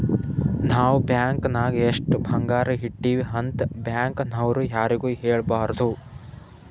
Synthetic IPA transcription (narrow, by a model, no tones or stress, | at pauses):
naːʋbjaːŋknaːɡeeʂʈbʱɐŋɡaːɾɐɦiʈːiːʋiɦɐnt̪bjaːŋknɐwɾujaːɾiɡuːɦeːɭbaːɾd̪u